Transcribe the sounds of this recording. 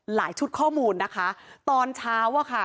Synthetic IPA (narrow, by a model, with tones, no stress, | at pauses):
la̰ː˩˦jt͡ɕʰu˦˥t̪̚kʰɔː˥˩muː˧nːa˦˥kʰa˦˥t̪ɔː˧nt͡ɕʰaː˦˥waː˥˩kʰa˥˩